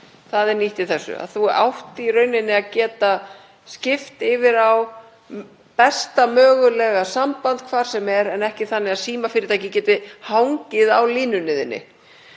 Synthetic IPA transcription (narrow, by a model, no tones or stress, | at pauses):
θaðɛɾniht̪ɪθɛsːʏ̰a̰ðθua̰wht̪ɪirœːɥnɪnːɪaðcɛːt̪a | scɪft̪ɪvɪɾaw | pɛst̪amœːɣʏlɛːɣasampant̪̚kʰvaːɾ̥sɛmɛɾɛnɛhcɪθanːɪaðsiːmafɪɾɪɾt̪ʰajcɪcɛːt̪ɪhawŋcɪðawliːnʏnɪːðɪ̰nːɪ̰